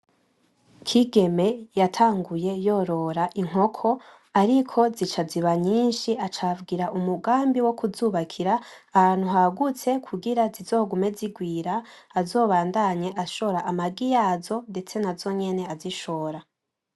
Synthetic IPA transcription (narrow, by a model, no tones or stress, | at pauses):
kʰiɡe̞me̞jatʰaːŋɡuje̞jo̞ɾo̞ɾaʔiŋ̥ɦo̞kʰo̞ | aɾikʰo̞zit͡ʃaziβaɲiːnʃiat͡ʃavɡiːɾaʔumuɡaːmbiwo̞kuzuːβakʰiɾaː | hhaːn̥huɦaɡut͡se̞kʰuɡiɾazizo̞ːɡume̞ziɡwiːɾaːzo̞ːβaːndaɲe̞ʔaʃo̞ɾaʔamaɡijaːzo̞nde̞t͡se̞nazo̞ɲe̞ne̞aziʃo̞ːɾa